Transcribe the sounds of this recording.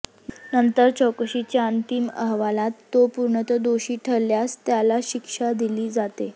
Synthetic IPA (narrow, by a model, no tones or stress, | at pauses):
nənt̪əɾt͡ɕɔkəɕit͡ɕjaənt̪imə̰ɦʋalat̪ːopuɾɳət̪əd̪oɕiːʈʰəlːjast̪jalaɕikʂad̪iliːd͡zat̪e